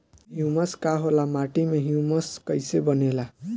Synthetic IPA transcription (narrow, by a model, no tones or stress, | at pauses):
ɦjumʌskaɦolamaʈimaɦjumʌskʌjsebʌnela